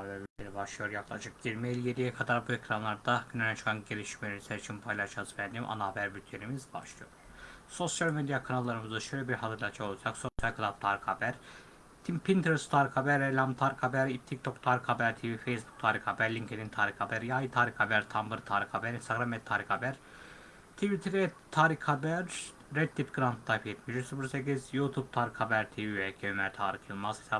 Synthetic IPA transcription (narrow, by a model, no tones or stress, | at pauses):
bæɾbyt̪lʲeɾibaʃlˠɯjo̞ɾjaklˠa̰ʃɯk̚d͡ʒiɾmeelʲijed̪ijɛkʰad̪aɾbuecɾanlˠaɾd̪aɟynalʲat͡ʃʰɯ̥kʰanɟe̞lʲiʃmelʲeɾisæɾit͡ʃʰinpʰajlˠaʃazvænd̪iːmʔa̰nabæɾbyt̪ʰlʲeɾimizba̰ʃlˠɯjo̞ɾ | so̞sjalʲmed̪jakʰanalˠːaɾɯmɯzd̪aʃøjlʲebiɾɦat̪ʰɯɾlˠat͡ʃʰao̞lˠad͡ʒakso̞sjalʲkʰlˠat̪t̪ʰaːɾikʰabæɾ | t̪ʰimpʰint̪ʰɛɾst̪ʰaːɾikabæɾɛlʲamt̪ʰaɾkʰabæɾit̪ʰːik̚t̪ʰokt̪ʰaːɾikʰabæɾt̪ʰivifejsbu̥k̚t̪ʰaːɾixabæɾlʲiŋcʰed̪int̪ʰaːɾikabæɾjaːjit̪ʰaːɾikabæɾt̪ʰambɯɾt̪ʰaːɾixabæɾinst̪aɡɾamɛt̪t̪ʰːaːɾixabæɾ̥ | t̪ʰivit̪ʰiɾɛt̪ʰaːɾikʰabæɾː | ɛd̪̚ipɡɯɾant̪ʰlˠajfjɛt̪miʃysɯfɯɾsekizjut̪ʰub̚t̪ʰaːɾikʰabæɾt̪ʰiviecʲʰeømɛɾt̪ʰaːɾɯxjɯlˠmaz̥hi̥sʰa